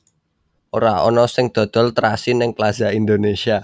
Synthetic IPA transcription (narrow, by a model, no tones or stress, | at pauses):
ʔoɾaɔ̰nɔsɪŋd̪̥ɔ̤d̪̥ɔ̤lt̪ɾasinɪŋklazaind̪onesia